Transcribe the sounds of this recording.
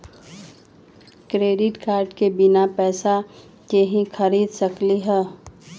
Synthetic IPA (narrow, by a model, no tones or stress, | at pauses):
kɾeːɖɪʈkaːɾɖkebɪnapɛːsa | keɦĩxʰəɾiːd̪səkliɦɛː